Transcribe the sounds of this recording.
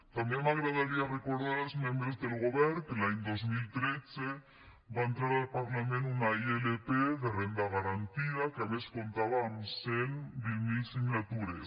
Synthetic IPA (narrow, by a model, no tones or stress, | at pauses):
t̪ambjeŋaɣɾaðaɾiareko̞ɾðaɾazmjẽmbɾezðelɣoβeɾkelaend̪ozmilt̪ɾet͡se | baent̪ɾaɾalpaɾlamẽnunaielepeðerend̪aɣaɾant̪iðakeaβesko̞nt̪aβamsenbimilsiŋlat̪uɾe